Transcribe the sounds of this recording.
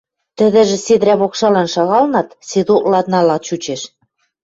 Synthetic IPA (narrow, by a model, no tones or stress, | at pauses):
t̪ɘ̆ðɘ̆ʒĕsed̪ɾæβokʃɑlɑnʃɑɣɑlnɑt̪sed̪uʔlɑt̪nɑlɑt̪t͡ɕut͡ɕeʃ